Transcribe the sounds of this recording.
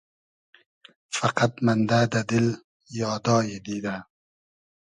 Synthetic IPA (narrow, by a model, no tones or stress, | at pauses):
faqat̪mand̪ad̪ad̪ɪl | jɑːd̪ɑːjed̪iːd̪a